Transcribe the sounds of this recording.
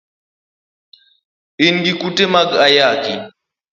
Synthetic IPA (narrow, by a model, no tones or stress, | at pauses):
inɡikutemaɡajaːki